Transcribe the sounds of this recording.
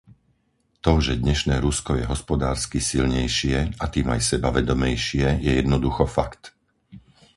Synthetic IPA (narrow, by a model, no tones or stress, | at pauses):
t̪ɔʒɛd̪ɲɛʃnɛːɾuskɔjɛɦɔspɔd̪aːɾskisilɲɛjʃɪɛat̪iːma̰jsɛbaʋɛd̪ɔmɛjʃɪɛjɛjɛd̪nɔd̪uxɔfakt̪